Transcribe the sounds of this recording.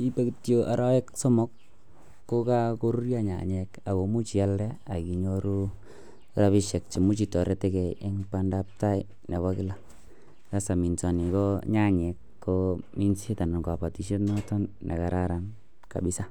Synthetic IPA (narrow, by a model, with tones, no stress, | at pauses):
i˦pe˦kitjo˦ʔa˨ɾɔ˦ɛ˦ksɔ˦mɔ˦kː | o˦ka˦ko˦ɾu˦ɾja˦ɲa̰˨ɲɛ˨ka˨ko˨mu˦t͡ʃi˨a˦ldɛ˦a˨ki˨ɲo˦ɾu˦ | ɾa˦βi˦ʃe˨k̚t͡ʃi˨mu˦t͡ʃi˨tɔ˨ɾe˦te˦kɛ˨ɪ˦ŋpa˦nda˦p̚ta˦i˦ | ne˨wa˦kɪ˦la˦ | ka˦sa˨mi˨nsa˨ni˨kɔ˦ɲa˦ɲe˨kːomi˦nsi˦ta˨n˨ŋɡa˨pa˨ti˨ʃe˦tnɔ˦tɔ˦nːḛ˨ka˨ɾa˦ɾa˨n | ka̰˨bi˦sa˦